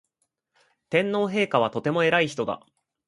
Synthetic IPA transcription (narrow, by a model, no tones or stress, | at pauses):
t̪ẽ̞nːo̞ːɦe̞ːkaβ̞at̪o̞t̪e̞moe̞ɾaiçi̥t̪o̞d̪a̰